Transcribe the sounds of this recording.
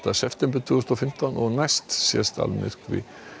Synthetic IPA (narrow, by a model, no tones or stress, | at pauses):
t̪asɛft̪ɛmpɪɾt̪ʰusnɔfɪm̥t̪anɔɣnajst̪sjɛ̰st̪a̰lmɪ̰r̥kvɪ̰